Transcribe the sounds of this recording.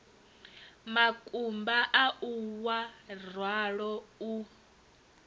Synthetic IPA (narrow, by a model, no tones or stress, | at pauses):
makʼumbaʔaʔuwarwaɺɔu